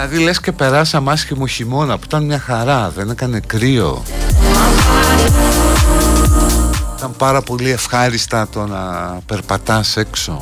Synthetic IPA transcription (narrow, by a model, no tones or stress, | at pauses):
ɐðilesce̞pe̞ɾɐsɐmɐsçimo̞çimo̞nɐpuit̪ɐnmɲɐxɐɾɐðe̞nekɐne̞kɾio̞̰ | it̪ɐmpɐɾɐpo̞lie̞fxɐɾist̪ɐt̪o̞nɐ̰pe̞ɾpɐt̪ɐse̞kso̞̰